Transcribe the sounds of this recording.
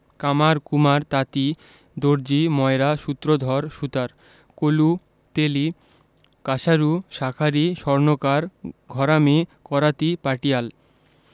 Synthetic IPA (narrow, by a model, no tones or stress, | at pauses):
kamaɾkumaɾt̪at̪i | d̪oɾd͡ʑimɔeɾaʃut̪ːɾod̪ʱɔɾʃut̪aɾ | kolu | t̪eli | kaʃaɾuʃakʰaɾiʃɔɾnokaɾɡʱɔɾamekɔɾat̪ipaʈijal